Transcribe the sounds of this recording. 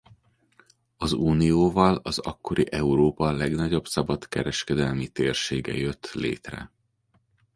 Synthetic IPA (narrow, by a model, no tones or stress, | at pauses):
ɒzuːnijoːvɒlɒzɒkːo̞ɾiʔɛuɾoːpɒlɛɡnɒɟo̞bsɒbɒt̪kɛɾɛʃkɛd̪ɛlmit̪eːrʃeːɡɛ̰jøt̪ːlḛːt̪rɛ̰